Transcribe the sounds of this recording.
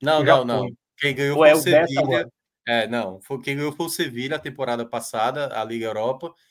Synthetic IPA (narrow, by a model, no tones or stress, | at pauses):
nɐ̃w̃nɐ̃w̃nɐ̃w̃ | kẽj̃ɡɐ̃j̃owɛseviʎɐ | ɛnɐ̃w̃fojkẽj̃ɡɐ̃jowfojʊseviʎɐt̪ẽmpoɾad̪ɐpasad̪ɐa̰liɡɐewɾɔpɐ